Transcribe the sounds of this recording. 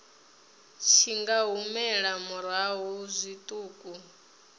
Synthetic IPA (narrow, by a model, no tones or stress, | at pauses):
t͡ʃʰiŋɡaɦumɛɺamuɾaɦuzʷit̪ʼuːkʼu